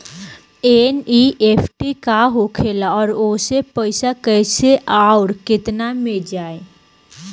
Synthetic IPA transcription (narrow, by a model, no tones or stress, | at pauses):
eniʔeːpʰʈikaɦokʰeːlaɔːɾoːsepəɪsakɛɪseʔaːʊɾkɪt̪named͡ʒaːe